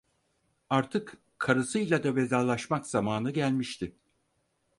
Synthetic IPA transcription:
aɾt̪ʰɯk | kʰːaɾɯsɯjlʲˠad̪ave̞zaːlˠaʃmakz̥amaːnɯɟælʲmiʃt̪ʰɪ

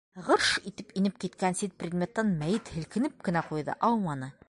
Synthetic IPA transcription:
ʁɤɾʃit̪ɘpinɘp̚kit̪kænsit̪̚prʲɪd̪mʲet̪ːɑnmæjɘt̪hɘ̆lkɘ̆nɘp̚kɘ̆næqujðɤ̰ʔɑwmɑnɤ

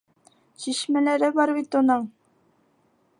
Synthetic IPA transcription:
ɕiʃmælæɾɘbɑɾβit̪unɤɴ

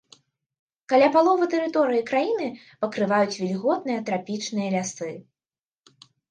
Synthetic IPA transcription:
kalʲapalˠɔvɐt̪ɛɾɨt̪ɔɾɨjikɾajinɨ | pɐkɾɨvajut͡sʲvʲilʲɣɔd̪nɨjɐt̪ɾapʲit͡ʂnɨjɐlʲasɨ

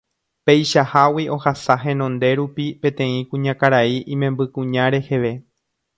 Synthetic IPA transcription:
pe̞jʃahawiʔo̞hasaɦẽ̞nõ̞nd̪e̞ɾupipẽ̞t̪ẽ̞ĩkũɲãkaɾaiʔĩmẽ̞mbɨkũɲãɾe̞he̞ʋe̞

